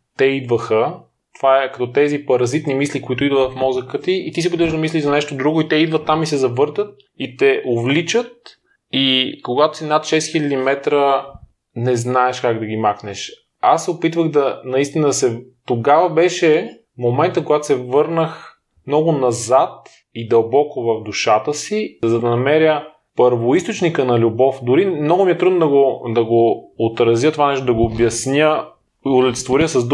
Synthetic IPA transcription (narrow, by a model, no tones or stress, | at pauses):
t̪ɛid̪vəxə | t̪ovaɛkɐt̪ɔt̪ɛzipɐɾɐzit̪nimislikoit̪ʊid̪vətfmɔzəkət̪iːt̪isiopit̪vəʒd̪ɐmisliʒzɐnɛʃt̪od̪ɾuɡʊit̪ɛid̪vət̪ːamisɛzɐvɤɾt̪ət̪̚ | it̪ɛʔovlit͡ʃət̪̚ | ikoɡat̪o̥sinat̪ʃɛst̪xilʲəd̪imɛt̪ɾə | nɛznaɛʃkaɡd̪ɐɡimaxnɛʃ | asːɛopit̪vəɣd̪ɐnɐist̪inəd̪ɐsɛt̪oɡavɐbɛʃɛ | momɛnt̪əkoɡat̪o̥sɛvɤɾnəx | mnɔɡʊnɐzat̪̚ | id̪ɐlˠbɔkovɐfd̪uʃat̪əsizɐd̪ɐnɐmɛɾjə | pəɾvoist̪ot͡ʃnikənɐlʲubɔfd̪ʊɾimnɔɡʊmiɛt̪ɾud̪nd̪ɐɡod̪ɐɡoːt̪ɾɐzjət̪ovanɛʃt̪od̪ɐɡoːbjɐsnʲjə | olɛt̪t̪voɾiəsɐzd̪